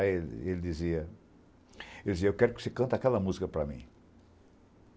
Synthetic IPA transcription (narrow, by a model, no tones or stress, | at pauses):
el̰elɪd̪iziɐ | eld̪ɪziɐewkɛɾʊkɪo̥sekɐ̃nt̪ɐakɛlɐmuzikɐpɾɐmḭ̃